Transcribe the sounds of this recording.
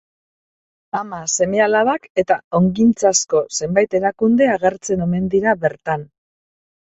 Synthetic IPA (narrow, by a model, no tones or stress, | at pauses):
amase̞me̞alaβake̞t̪ao̞ŋɡint͡sasko̞se̞mbajt̪e̞ɾakund̪e̞aɣe̞ɾt͡se̞no̞me̞nd̪iɾaβe̞ɾt̪an